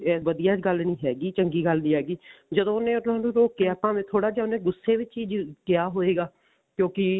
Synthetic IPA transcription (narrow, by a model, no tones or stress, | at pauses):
ɛːʋəd̪ijaːt͡ʃɡəlnĩːɦɛːɡiːt͡ʃəŋɡiːɡəlnĩːɦɛːɡiːd͡ʒəd̪õːʊnẽːtnãːnũːɾoːkkɪjaːpãːmẽːt̪ʰoːɽaːd͡ʒaʊnẽːɡʊsːeːʋɪt͡ʃiːd͡ʒkɪjaːɦoːeːɡaː | kjõːkɪ